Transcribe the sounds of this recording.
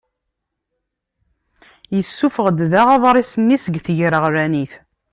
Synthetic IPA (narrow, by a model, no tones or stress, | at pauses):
jəsːufəʁd̪ðæʁɑðˤɾˤisənːisəɡθʝɾəʁɾæniθ